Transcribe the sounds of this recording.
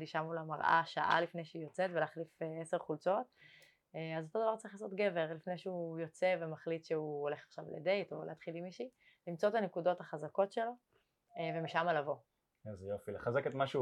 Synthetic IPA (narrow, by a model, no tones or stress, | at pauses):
d̪iʃamulamaʁʔa̰ʃaʔa̰lifne̞jʃeujot͡set̪veleːχlifeese̞ʁχult͡so̞t̪ | eazot̪o̞d̪avaʁtt͡saʁiχlaːso̞t̪ɡe̞ve̞ʁlifne̞jʃeujo̞t͡se̞vemaχlit̪ʃeuole̞χḁχʃavlḛde̞jto̞leat̪χilimiʃi | limt͡so̞t̪anekudo̞t̪haχazako̞tʃe̞lo̞ | eve̞miʃamalavo̞ | azejofileχazeket̪maʃ